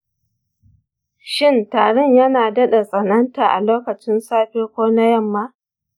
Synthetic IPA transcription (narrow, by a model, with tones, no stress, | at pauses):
ʃɪ˦ntaː˨ɽʊ˦ɲjɐ˦naː˨dɐ˦ɗa˨sʼɐ˨nɐ˦nta˨ʔa̰˨loː˦kɐ˨t͡ʃɪ˦nsaː˦ɸeː˦kʷoː˦na˦jɐ˦˨mːaː˦